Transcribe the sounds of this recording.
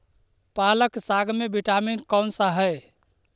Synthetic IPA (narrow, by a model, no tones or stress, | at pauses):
paləksaɡʱmebiʈaminkənsəɦə